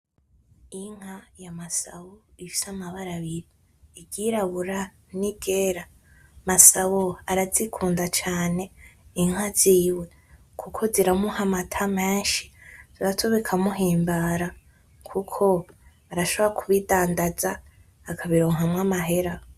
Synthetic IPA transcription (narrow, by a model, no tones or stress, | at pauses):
iŋ̥hajamasaβo | ifi̥samaβaɾaβiɾiː | ɟiɾaβuɾa | niɡeːɾa | masaβoaɾazikʰuːndat͡ʃaːne̞iŋ̥ɦaz̥iːwe̞ | kʰukʰo̞ziɾamuhamatʰame̞ːnʃi̥z̥iɾatʰoβekʰamuɦiːmbaɾa | kʰukʰo̞βaɾaʃoβoakʰuβidaːndazaː | kʰaβiɾo̞ːŋamŋamaɦe̞ɾa